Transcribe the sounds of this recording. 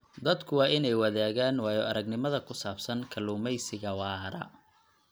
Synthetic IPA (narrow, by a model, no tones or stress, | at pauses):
d̪ɐd̪kʰʊwɑːɪnɛjwɑðaːɣaːnwɑːjɔʔɐɾɐɡnɪmɐðɐkʰʊsaːbsɐnkʰɐluːmɛjsɪɣɐwɑːɾɐ̰